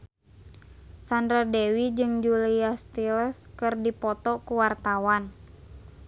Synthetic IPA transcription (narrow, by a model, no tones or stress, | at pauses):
sandɾadewid͡ʒɨŋd͡ʒuliast̪ilɛskɨrdipɔt̪ɔkuwart̪awan